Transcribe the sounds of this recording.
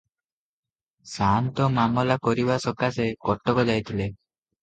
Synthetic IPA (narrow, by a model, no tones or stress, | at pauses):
sant̪ɔmamɔlakɔɾibasɔkasekɔʈːɔkɔd͡ʒajt̪ʰile